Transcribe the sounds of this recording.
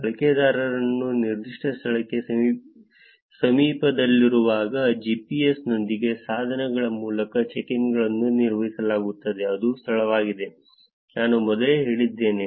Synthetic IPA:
ɐɭɐkeːd̪aːɾɐɾɐnːuniɾd̪iʂʈɐst̪ʰɐɭɐkːe | sɐmiːpɐd̪ɐlːiɾuʋaːɡɐd͡ʒiːpiesno̞nd̪iɡe̞saːd̪ʱɐnɛɡɐɭɐmuːlɐkɐt͡ʃekiŋɡɐɭɐnːuniɾʋɐɦisɐlaːɡut̪ːɐd̪e̞ɐd̪ust̪ʰɐɭɐʋaːɡid̪e̞ | naːnumɔd̪ɐleɦe̞ːɭid̪ːe̞ːne̞

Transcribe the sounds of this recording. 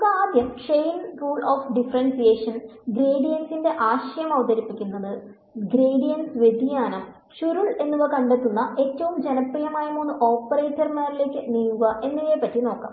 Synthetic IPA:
ukɐaːd̪jɐmʈre̞jnruːɭoːfɖifɐrɐnsijeːʂɐnɡɾeːɖijɐnsinde̞ʔaːɕɐjɐmɐʋɐd̪ɐɾipːikʲːunːɐðɨ | ɡɾeːɖijɐnsʋe̞d̪ʱijaːnɐ | ɕuɾuɭe̞nːuɣɐkɐɳɖe̞t̪ːunːɐe̞tːɐʋumd͡ʑe̞nɐprijɐmaːjumonːuʔo̞ːpːɐreːtːɐrmaːɾile̞ːkʲːɨniːŋːuɣɐʔe̞nːɐɣepːɐtːino̞ːkːa̰ːm

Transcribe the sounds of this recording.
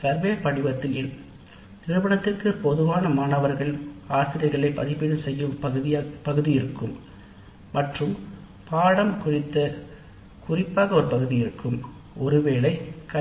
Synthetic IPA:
sɐɾʋeːpɐɽɪʋɐt̪ːɪlɪn | nɪɾɯʋɐɳɐt̪ːɪrkɯpɔðɯʋaːnɐmaːɳɐʋɐɾɣɐɭaːsɪɾɐɪɣɐɭɐɪpːɐ̰ðɪpːɪɽɯmsɛjːɯmɣɯðɪpɐɣɯðɪjɪɾɯkːɯmː | ɐʈrɯm | paːɽɐmkʊrɪt̪ːɐ | kʊrɪpːaːɣɐɔɾɯpɐɣɯðɪjɪɾɯkːɯm | ɔɾɯʋeːɭɐɪkɐ

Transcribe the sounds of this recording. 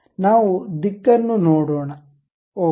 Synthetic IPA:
naːʋud̪ikːɐnːunoːɽoːɳɐ | oː

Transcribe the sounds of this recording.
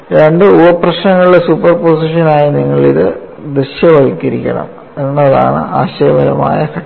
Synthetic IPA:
ɾeɳɖɨubɐprɐɕnɐŋːɐɭiɖesuːpːɐrposiʂɐnaːjiniŋːɐɭḭðɨ̰ | d̪rɨɕjɐʋɐlkːɐɾikʲːɐ̰ɳɐ̰m | e̞nːɐða̰ːɳɨ̰aːɕɐjɐbɐɾɐ̰ma̰ːjɐkʰɐ

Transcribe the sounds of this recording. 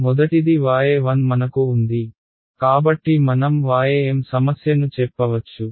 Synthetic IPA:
mɔd̪ɐʈid̪iʋaːjeːʋɐnmɐnɐkuːnd̪i | kaːbɐʈːimɐnɐmʋaːjeeːmsɐmɐsjɐnut͡ʃɛpːɐʋɐt͡ʃːu

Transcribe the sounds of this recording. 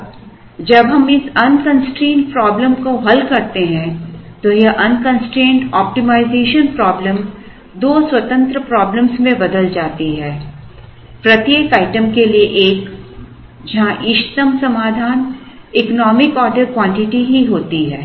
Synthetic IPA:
d͡ʒɐbɦɐmɪsɐnkɐ̃nsʈɾẽːnʈpɾɔːbləmkoɦɐlkɐɾt̪eɦɛ̃t̪ojeʔɐnkə̃nsʈɾẽːɳʈɔːp̚ʈimaːɪzeːʃənpɾɔːbləm | d̪oːswɐt̪ə̃nt̪ɾəpɾɔːblə̃msmẽbɐd̪əld͡ʒaːt̪iɦɛː | pɾɐt̪jeːkaːɪʈəmkelieʔeːk | d͡ʒɐɦãʔɪʃt̪əmsɐmaːd̪ʱaːn | ɪknɔːmɪkɔːɖəɾkwãːɳʈɪʈiɦiɦoːt̪iɦɛː

